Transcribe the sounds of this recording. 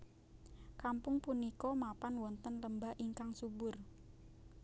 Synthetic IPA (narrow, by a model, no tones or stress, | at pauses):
kampʊŋpunikɔmapanwɔnt̪ənləmbaʔiŋkaŋsubʊr